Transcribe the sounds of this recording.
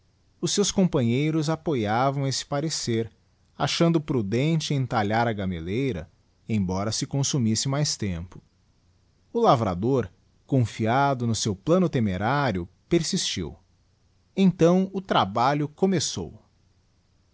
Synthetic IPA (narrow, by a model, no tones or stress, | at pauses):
ʊsːewskõpɐ̃ɲejɾʊzapojavɐ̃w̃esɪ̥paɾeseɾ | aʃɐ̃nd̪ʊpɾud̪ẽnt͡ʃɪẽj̃t̪aʎaɾɐɡamḛlejɾɐ̰ | ẽj̃bɔɾɐsɪkõsumisɪmajst̪ẽmpʊ̥ | ʊlavɾa̰d̪oɾ | kõfiad̪ʊnʊsewplɐ̃nʊt̪emeɾaɾjʊ | peɾsist͡ʃḭw | ẽt̪ɐ̃w̃ʊt̪ɾabaʎʊkomeso̰w